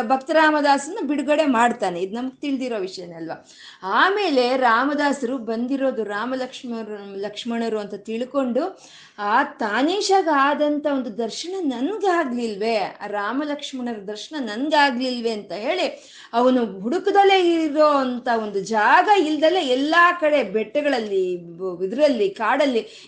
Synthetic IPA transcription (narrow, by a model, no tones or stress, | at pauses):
bʱɐkt̪ɐɾaːmɐd̪aːsɐnːɐbiɽuɡɐɽe̞maːɖt̪aːne̞id̪unɐmɐɡ̚t̪iɭd̪iɾo̞ːʋiʂɐjɐnːeɐlʋa | aːme̞ːle̞ɾaːmɐd̪aːsɐɾubɐnd̪iɾo̞ːd̪uɾaːmɐlɐkʂɐlɐkʂmɐɳɐɾuɐnt̪ɐt̪iɭko̞ɳɖu | aːt̪aːniːʃɐɡaːd̪ɐnt̪ɐo̞nd̪ud̪ɐɾʃɐɳɐnɐnɡaːɡlilʋe̞a̰ːɾaːmɐlɐkʂmɐɳɐɾɐd̪ɐɾʃɐɳɐnɐnɡaːɡlilʋe̞ɐnt̪ɐɦe̞ːɭi | ɐʋɐnuɦuɽukud̪ɐle̞iɾoːɐnt̪ɐo̞nd̪ud͡ʒaːɡɐild̪ɐleɛlːaːkɐɽe̞bɛʈːɛɡɐɭɐlːiid̪ɾɐlːikaːɽɐlːi